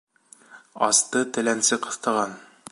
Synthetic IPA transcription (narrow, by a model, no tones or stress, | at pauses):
ɑ̰st̪ɤt̪ɘ̆lænsɘqɤ̆θt̪ɑʁɑn